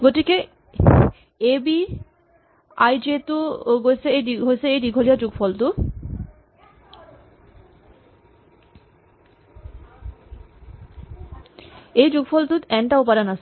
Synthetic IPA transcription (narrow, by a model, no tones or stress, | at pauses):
ɡoʈike | ebi | ajd͡ʑet̪uoɡojsʰeeɖiɦosʰeejɖiɡʱoliad͡ʑuɡfɔlt̪u | ejd͡ʑuɡfɔlt̪ut̪ɛnʈaop̬aɾanasʰ